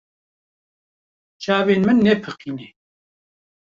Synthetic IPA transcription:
t͡ʃʰaːveːnmɨnːɛpʰɨqʰiːne

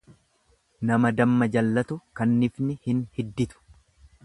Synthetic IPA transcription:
nɐmɐd̪ɐmːɐd͡ʒɐlːɐt̪ʊkɐnːɪfnɪhɪnhɪd̪ːɪt̪ʊ̥

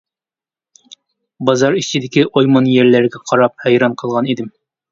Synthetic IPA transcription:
bɑzɑɾisid̪ɪkʲɪʔojmɑnjæɾlæɾɡʲɛqʰɑɾɑp̚hæjɾɑɴqʰɤ̆lˠʁɑnid̪ɪm

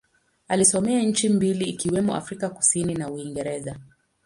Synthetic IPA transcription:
alisɔmɛaɲ̩t͡ʃimbiliːkiwɛmɔa̰fɾikaku̥sininauiŋɡɛɾɛza

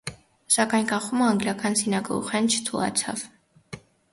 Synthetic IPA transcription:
sakʼankʼaχumaːŋɡlʲakʰansinakʼlˠṵχɛnt͡ʃʰt̪ʰulˠa̰t̪sʰa̰v

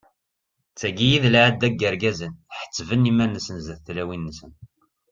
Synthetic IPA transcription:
t͡sːæɡijiðlʕəd̪æɡːəɾɡæzənħə̥t͡sːvənimænːəsənzæθθlæwinːəsən

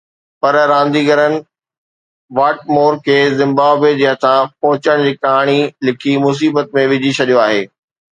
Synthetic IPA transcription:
pɐɾɾãːnd̪iːɡəɾənɪ̆ | ʋaːʈ̚moːɾkʰeːzɪ̃mbaːbed͡ʑiɦə̃t̪ʰãpɔɦʊt͡ɕəɽ̃d͡ʑiːkɐɦaːɽ̃ilɪkʰimʊs̬iːbət̪̚mẽʋɪd͡ʑʱit͡ɕʰɐɗijoaːɦeː

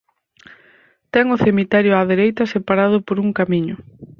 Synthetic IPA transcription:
t̪ɛŋʊθemit̪ɛɾjʊaðeɾejt̪ɐsepaɾað̞ʊpoɾuŋkamiɲʊ

